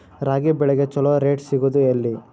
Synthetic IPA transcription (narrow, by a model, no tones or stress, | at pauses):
ɾaːɡibɛɭɛɡet͡ʃɔloɾeːʈsiɡud̪uelːi